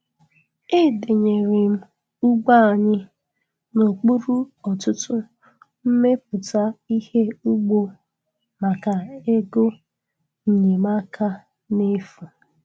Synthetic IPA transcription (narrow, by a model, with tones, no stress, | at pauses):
e˦˨de˨ɲe˨ɾɪ˨m̩˦ | u˦ɡ͡ba˦a˨ɲɪ˦ | no˨k͡pu˦ɾu˦ɔ˨tʊ˦tʊ˦ | m̩˦me˦p̚ʊ˨ta˦i˦he˦u˦ɡ͡bo˨ | ma˨ka˨e˦ɡo˦ | n̩˨ɲe˨ma˦kʰa˦ | ne˦fu˨